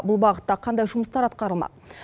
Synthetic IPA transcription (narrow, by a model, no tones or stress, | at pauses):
bʊlˠbɑʁət̪ːɑqʰɑnd̪ɑjʒʊməst̪ɑɾɑt̪̚qɑɾəlˠmɑ̰